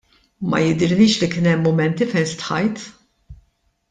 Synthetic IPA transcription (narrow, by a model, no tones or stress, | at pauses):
mɐ̰jɪd̪ɪɾnɪːʃlikɪnɛmːʊmɛnt̪ifɛjnst̪ħɐjt̪